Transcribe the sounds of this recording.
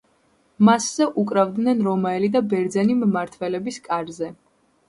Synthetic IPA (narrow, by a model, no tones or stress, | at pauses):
masz̥ɛʔukʼɾavd̪nɛnɾɔmaɛlid̪abɛɾd̪zɛnimmaɾt̪ʰvɛlɛbiskʼaɾzɛ